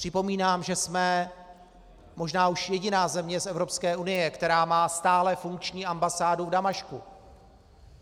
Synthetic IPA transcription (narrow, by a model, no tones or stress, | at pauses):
pr̥ɪpo̞miːnaːmʒɛsmɛ | mo̞ʒnaːʔuʃjɛɟɪnaːzɛmɲɛsɛvɾo̞pskɛːunɪjɛkt̪ɛɾaːmaːst̪aːlɛfuŋk̚t͡ʃɲiːambasaːduvdamaʃkṵ